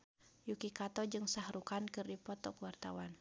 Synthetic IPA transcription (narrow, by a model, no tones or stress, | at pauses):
jukikat̪ɔd͡ʒɨŋsahɾukankɨrdipɔt̪ɔkwart̪awan